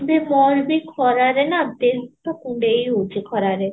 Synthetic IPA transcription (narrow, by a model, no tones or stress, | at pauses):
bemɔɾbikʰɔɾaɾenad̪et̪ɔkũɳɖeiud͡ʒekʰɔɾaɾe